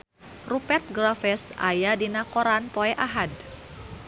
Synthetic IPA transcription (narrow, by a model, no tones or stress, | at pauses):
rupɛrt̪̚ɡɾafɛsa̰jadinakoɾanpoɛʔaɦad